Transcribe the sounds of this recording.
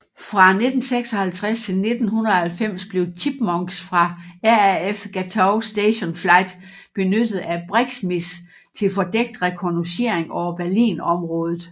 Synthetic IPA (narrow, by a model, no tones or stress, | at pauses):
fʁɑ̈ne̝d̥n̩seɡ̥sɒ̽hælt͡sʰʁast͡sʰe̝lne̝d̥n̩ɦunəð̩ˠɒhælfem̰sb̥le̝ʊt͡sʰib̥mɒŋɡ̥sfʁɑ̈æɐæefɡ̥æt͡sʰɑʊsd̥eɕonflɑ̈ɪd̥ | b̥e̝nød̥ð̩ˠæb̥ʁeɡ̥smis | t͡sʰe̝lfɒ̽d̥eɡ̥̚d̥ʁɛkʰonoɕe̝ɐeŋɒʊɐb̥æɐlḭːnɒ̽mʁɔ̽ːð̞ˠð̞̩ˠ